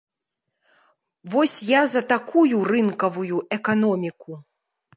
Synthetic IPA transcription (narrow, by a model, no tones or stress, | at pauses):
vɔsʲjazɐt̪akujurɨnkɐvujuɛkanɔmʲiku